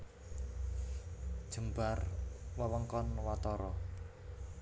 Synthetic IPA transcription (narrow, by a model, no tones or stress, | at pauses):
d̥ʒ̥ə̤mbarwəwəŋkɔnwat̪ɔɾɔ